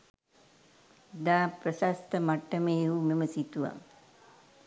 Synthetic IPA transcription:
d̪aːpɾɐsast̪əmaʈːɐmeːumeməsit̪uʋa̰

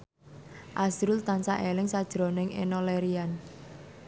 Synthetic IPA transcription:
ʔasɾult̪ansaʔelɪŋsad̥ʒ̥ɾo̤nɪŋḛnɔleɾian

